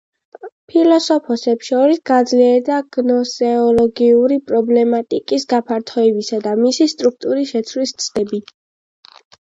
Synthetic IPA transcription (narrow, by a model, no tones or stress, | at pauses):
pʰilɔsɔpʰɔsɛpsʃɔɾisɡad̪zliɛɾd̪aɡ̥nɔsɛɔlɔɡiuɾipʼɾɔblɛmat̪ʼikʼisɡapʰaɾt̪ʰɔɛbisad̪amisist̪ʼɾuk̚ʰt̪ʼuɾiʃɛt̪sʰvlist̪sʰʼd̪ɛbi